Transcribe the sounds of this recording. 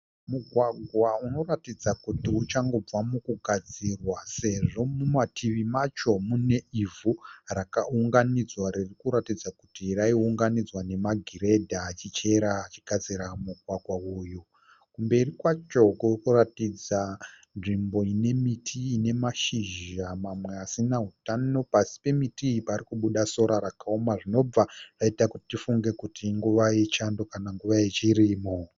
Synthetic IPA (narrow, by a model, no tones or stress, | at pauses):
muɡʱwaɡʱwauno̞ratid͡zakutiut͡ʃaŋɡo̞b͡vwamukuɡʱad͡zirwase̞ʐo̞mumatʰiʋimat͡ʃo̞mune̞ivurakauŋɡanid͡zwaɾirikuɾatid͡zakutiraiuŋɡanid͡zwane̞maɡʱiɾe̞dʱaːt͡ʃit͡ʃe̞ɾaːt͡ʃiɡ̥ʱad͡ziɾamuɡʱwaɡʱwauːju | kumbe̞rikwat͡ʃo̞korkuratid͡za | nʐimbo̞ine̞mitʰiːne̞maʃiʒamamwe̞asinaɦutano̞pasi̥pe̞mitiːiparikuɓuɗaso̞ɾaɾakaomaʐino̞b͡varaitakuti̥tifuŋɡe̞kutʰiŋɡuʋaet͡ʃando̞kanaŋɡuʋajet͡ʃiriːmo